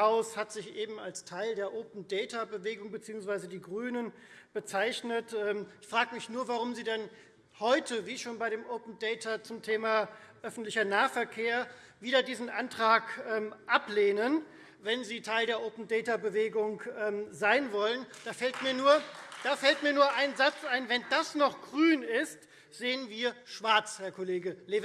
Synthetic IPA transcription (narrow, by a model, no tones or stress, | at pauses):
aʊshatz̥ɪçʔeːbm̩alstʰaɪldeːɐʔoːpn̩dɛːtabəveːɡʊŋbət͡siːʊŋsv̥aɪzədiːɡʁyːnən | b̥ət͡saɪçnətʔɛːmɪçfʁ̥aːɡəmɪçnuːɐvaʁʊmziːdɛn | hɔʏtʰəviːʃoːnbaɪɾeːmʔoʊpn̩dɛɪtʰat͡sʊmtʰeːmaʔœfn̩tlɪçɐnaːɐfɛɐkʰeːɐ | viːdɐdiːzn̩ʔantʁ̥aːkʔɛːmʔapleːnən | vɛnziːtʰaɪldeːɐʔoːpn̩dɛːtabəveːɡʊŋʔɛːmzaɪnvɔlənd̥aːfɛltmiːɐnuːɐd̥aːfɛltmiːɐnuːɐʔaɪnzat͡sʔaɪnvɛndasnɔχɡ̥ʁyːnɪst | z̥eːənviːɐʃv̥aɐt͡shɛɐkʰɔleːɡəlev